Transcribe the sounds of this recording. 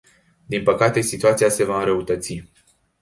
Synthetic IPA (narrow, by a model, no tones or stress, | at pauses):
d̪inpəkat̪e̞sit̪uat̪siase̞vaɨnɾəut̪ət̪si